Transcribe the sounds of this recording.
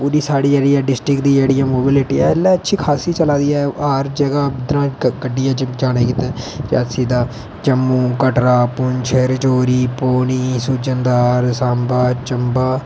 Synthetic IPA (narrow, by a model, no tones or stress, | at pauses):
puːɾiːsaːɽiːd͡ʒeːɽijaːɖɪsʈɾɪkd̪iːd͡ʒeːɽijãːmoːbɪlɪʈiːɛːlːɛ̃ːətːʃʰiːkʰaːsiːt͡ʃəlaːd̪iːɛːaɾd͡ʒəɡaːbɪd̪ɾãːɡəɖːɪjãːd͡ʒd͡ʒaːɽ̃eːkit̪ẽːd͡ʒa̰ːsiːd̪aː | t͡ʃəmːũːkəʈɾaːpʊɲt͡ʃʰəɾɪt͡ʃoːɾiːpoːniːsud͡ʒənd̪aːɾsaːmbaːt͡ʃəmbaː